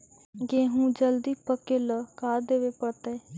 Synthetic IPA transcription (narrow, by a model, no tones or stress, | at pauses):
ɡeːɦũːd͡ʒəld̪iːpəkeːləːkaːɾd̪eːʋeːpəɾt̪eː